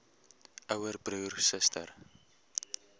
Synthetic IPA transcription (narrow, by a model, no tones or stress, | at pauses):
ʔœwərbruːrsəstə̰r